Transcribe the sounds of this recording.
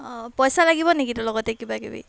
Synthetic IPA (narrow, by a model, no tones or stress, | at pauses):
pɔjsalaɡibɔnekitulɔɡɔtekibakḭbḭ